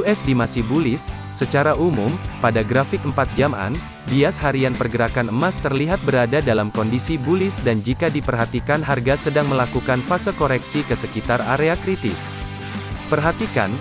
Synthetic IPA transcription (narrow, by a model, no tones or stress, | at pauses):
uɛsdimasihbulɪsː | ət͡ʃaɾaʔumumpadaɡɾafɪk̚əmpat̪̚d͡ʒama̰n | biashaɾianpərɡəɾakanəmast̪ərliɦat̪̚bəɾadadalamkɔndisibulɪsdand͡ʒikadipərɦat̪ikanɦarɡasədaŋməlakukanfasəkoɾɛksikəsəkit̪araɾeakɾit̪ɪs | pərɦat̪ika̰n